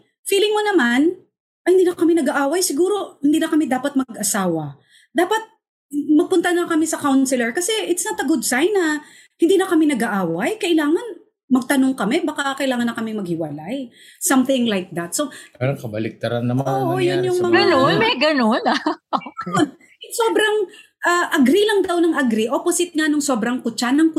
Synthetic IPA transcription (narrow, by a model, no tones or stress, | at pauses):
fiːlɪŋmonɐman | ʔɐhɪnd̪iːnɐkɐmɪnɐɡaʔaːwɐjsɪɡuːɾo̞hɪnd̪iːnɐkɐmɛd̪aːpɐt̪̚mɐɡʔɐsaːwɐ | d̪aːpɐt̪̚ | mɐɡ̚pʊnt̪anɐkɐmɛsɐkawnsɪlɛɹkɐsɛʔɪt̪snɐt̪ɐɡʊd̪sajnːɐ | hɪnd̪iːnɐkɐmɪnɐɡaʔaːwɐjkɐʔɪlaːŋɐn | mɐɡ̚t̪ɐnoŋkɐmɛbakakɐʔɪlaːŋɐnːɐkɐmɪmɐɡ̚hɪwɐlaj | sɐmθɪŋlajk̚d̪ɐt̪̚so̞paɾɐŋkɐbɐlɪk̚t̪ɐɾanːɐmoʔojʊnjʊmɐŋɡɐnonɡɐnonaoon | jʊŋsoːbɾɐŋ | ʔaʔɐɡɾilɐŋd̪awnɐŋʔɐɡɾiʔoposɪt̪̚ŋanoŋso̞ːbɾɐŋkʊt͡ʃanɐŋkʊ